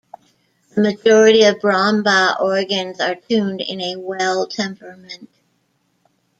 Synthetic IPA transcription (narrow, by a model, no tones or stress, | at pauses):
ðəmɨd͡ʒɔɹɨɾiʌvbɹɑ̃mbəʔɔɹɡɨ̃nzə˞tʰʉ̃mdɪ̰̃nɨwɛlˠtʰɛ̃mpə˞mɨ̃nt̚